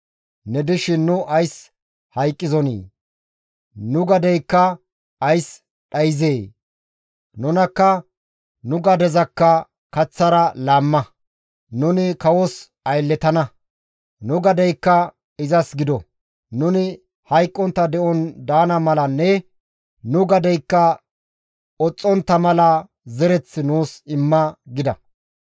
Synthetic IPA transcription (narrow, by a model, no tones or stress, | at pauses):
nɛd̪ɪʃɪnːʊʔɐjs | hɐjkʼːɪzɔnḭː | nʊɡɐd̪ɛjkːɐ | ɐjs | ɗɐjɪzeː | nʊnɐkːɐ | nʊɡɐd̪ɛzɐkːɐ | kɐt͡sːɐɾɐlaːmːɐ | nʊnɪkɐwɔs | ɐjlːɛt̪ɐnɐ | nʊɡɐd̪ɛjkːɐ | ɪzɐsɡɪd̪ɔ | nʊnɪ | hɐjkʼːɔnt̪ːɐd̪ɛʔɔnd̪aːnɐmɐlɐnːɛ | nʊɡɐd̪ɛjkːɐ | ɔt͡sʼːɔnt̪ːɐmɐlɐ | zɛɾɛt͡sːɪnuːsɪmːɐɡɪd̪ɐ̰